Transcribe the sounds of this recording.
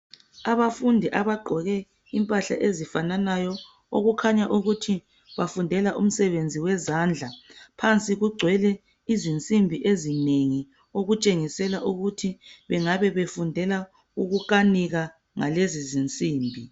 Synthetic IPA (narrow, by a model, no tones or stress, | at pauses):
aβafundʱiʔaβaɡ͡ǃʱɔɣɛ | impʼaɬa̰ʔezifananajɔ | o̰ɣukʰaɲaʔuɣutʰi | βafundʱɛlaʔum̩sɛβend͡zʱiwɛzand͡ɮʱapʰant͡sʼiɣuɡ͡ǀʱwɛlɛ | izint͡sʼimbʱiʔezineŋi | oɣut͡ʃʼeŋisɛlaʔuɣutʰiβɛŋaβɛβefundʱɛla | uɣukaniɣa | ŋa̰lezizint͡sʼiːmbʱi